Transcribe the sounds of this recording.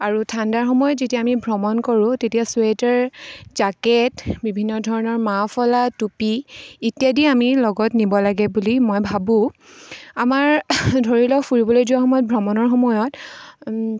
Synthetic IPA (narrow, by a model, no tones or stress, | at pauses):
aɹutʰandaɹxɔmɔjɔtzetiaːmibʱɹɔmɔnkoɹũtetijaswetɛɹzaketbibʱinːɔdʱɔɹɔnɔɹmapʰɔlatupiitijadiamilɔɡɔtnibɔlaɡɛbulimojbʱabʊ̃ | amaɹdʱoɹilɔfuɹibɔlojzuwaxɔmɔjɔt̚bʱɔmɔnɔɹxɔmɔjɔt